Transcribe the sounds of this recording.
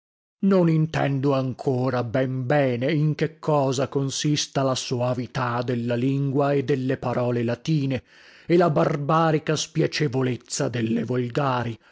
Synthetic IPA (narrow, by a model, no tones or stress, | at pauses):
nonint̪ɛ̰nd̪oaŋkʰoːɾabɛmbɛːneiŋk̟ekʰːɔːzakonsist̪alasoavit̪ad̪elːaliŋɡwaed̪ːelːepaɾɔːlelat̪iːne | ɛlabarbaːɾikaspjat͡ʃevolet̪sːad̪elːevolɡaːɾi